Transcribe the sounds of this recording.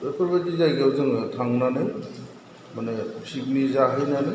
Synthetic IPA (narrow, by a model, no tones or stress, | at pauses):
epʰɔɾbatizajɡawzɯŋtʰaŋnanɯj | manesib̚nizaɦenane